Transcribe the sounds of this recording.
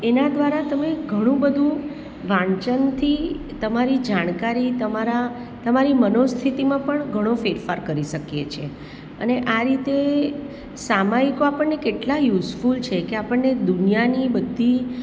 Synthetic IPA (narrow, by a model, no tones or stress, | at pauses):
enad̪ʋaɾat̪əmeɡʱəɽ̃ũbəd̪ʱũ | ʋãɳt͡ʃənt̪ʰi | t̪əmaɾid͡ʒaɽ̃kaɾit̪əmaɾa | t̪əmaɾimənost̪ʰit̪imãpəɳɡʱəɽ̃ofeɾfaɾkəɾiʃəkjet͡ʃʰe | ə̰neʔaɾit̪e | samaikoapəɳːekeʈlajusfult͡ʃʰekeapəɳːed̪unijanibəd̪ʱːi